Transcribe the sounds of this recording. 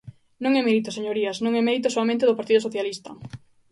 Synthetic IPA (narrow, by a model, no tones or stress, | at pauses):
nõŋɛmɛɾit̪oseɲoɾiɐsnõŋɛmeɾit̪osoamẽnt̪eðʊpaɾt̪iðʊsoθjalist̪ɐ̰